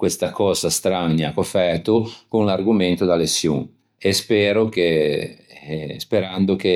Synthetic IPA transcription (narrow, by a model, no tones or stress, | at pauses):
kwest̪akɔːzast̪ɾaɲːjakofɛrt̪ukoŋlarɡument̪od̪alesjṵŋ | espɛːɾoke | speɾand̪ʊke